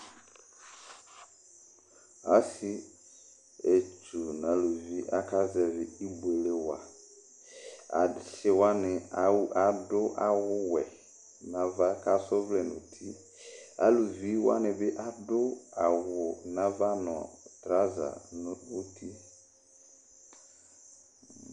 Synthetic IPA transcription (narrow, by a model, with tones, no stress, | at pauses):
a˦si˦ | e˨t͡ʃʰu˨nã˨lu˨vi˦ʔa˦ka˦zɛ˨vɪ˨i˦be˨le˦wa̰˨ | sɪ˨wa˦nɪ̃˨a˨dʊ˦ʔa˨wʊ˦wɛ˨ | nã˨va˦ka˦sʊ˦vlɛ˨nʊ̃˨tʰi˦ | a̰˦lu˨vi˦wa̰˦nɪ˨bɪ˦ʔa˨dʊ˦a˨wʊ˨nã˦va˦nʊ̃˨ɔ̰˨tɾa˦za̰˨n˦u˦tʰi˦